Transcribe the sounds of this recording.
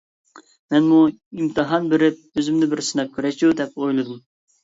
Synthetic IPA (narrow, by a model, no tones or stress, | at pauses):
mɛnmuimt̪ʰɨɦɑnbɪɾɪp̚øzɪmd̪ɪbɪɾsɨnɑp̚kʲʰyɾɛʃud̪ɛpojlˠɨd̪um